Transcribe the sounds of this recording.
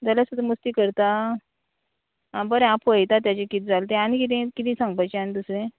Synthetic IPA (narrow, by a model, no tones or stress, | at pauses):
d͡z̪aljasud̪ʱəməst̪iːkəɾt̪a | ãbəɾẽãpʰʋəjt̪at̪̬jat͡ɕekit̪̚d͡zalt̪eañikit̪̬ẽkit̪ĩsãŋɡpajt͡ɕeañid̪usɾẽ